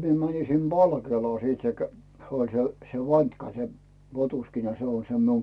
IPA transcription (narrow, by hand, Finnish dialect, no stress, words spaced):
mie mænin sim b̥ɑlkeːlɑː sit se kæ olʲ se se ʋɑntʲkɑ se potuskinɑ se on se miu